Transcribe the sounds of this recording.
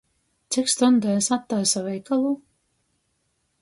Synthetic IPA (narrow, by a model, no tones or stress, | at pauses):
t̪sʲikst̪ɔnd̪ajsat̪ːajsavɛjkalˠu